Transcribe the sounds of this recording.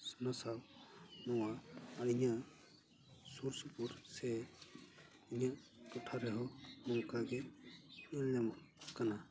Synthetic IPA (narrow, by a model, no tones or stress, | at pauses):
sanasawnɔwaːɾiɲa | suɾsupuɾsɛ | iɲa | kɔtʰaɾɛɦɔmɔŋkaɡɛ | ilɲam | kana